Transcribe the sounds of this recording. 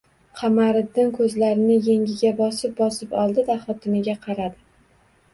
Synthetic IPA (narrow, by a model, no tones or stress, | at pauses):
qʰɑmaɾɪd̪ːɪnkʰɵzlaɾɪnɪjeŋʲɪɡʲabɒsɪp̚bɒsɪpɒlˠd̪ɪd̪aχɒt̪ʰɪmɪɡʲaqʰɑɾad̪ɪ